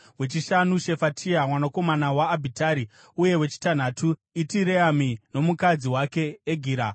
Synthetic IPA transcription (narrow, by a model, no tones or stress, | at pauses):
we̞t͡ʃiʃanuʃe̞fatʰiamwanako̞manawaːbʱitaɾi | uje̞we̞t͡ʃi̥tan̤atʰuitiɾeamino̞mukad͡ziwake̞ːɡʱiːɾa